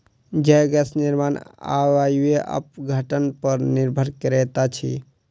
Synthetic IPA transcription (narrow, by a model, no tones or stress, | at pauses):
d͡ʒəɡɛsniɾmana̰wajweʔə̰p̚ɡʱəʈənpəɾniɾbʱəɾkəɾɛt̪at͡ʃʰḭ